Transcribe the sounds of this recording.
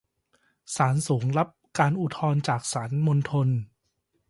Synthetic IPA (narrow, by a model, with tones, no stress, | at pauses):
saː˩˦nsuː˩˦ŋɾa˦˥p̚kaː˧nʔu˨˧˩t̪ʰɔː˧nt͡ɕaː˨˩k̚saː˩˦nmo˧nt̪ʰo˧n